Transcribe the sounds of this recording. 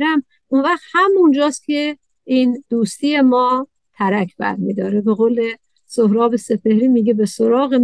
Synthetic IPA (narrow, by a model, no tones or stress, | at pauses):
ɾæm | ʔunvæχt̪hæmund͡ʒɒːst̪̚kʰe̞ | iːnd̪̥uːst̪iːje̞mɒː | t̪ʰæɾækʰb̥æ̰ɾmḭːd̪ɒːɾebe̞ɣoːle̞ | sohɾɒːbese̞pehɾiːmiːɡebe̞soɾɒːɣe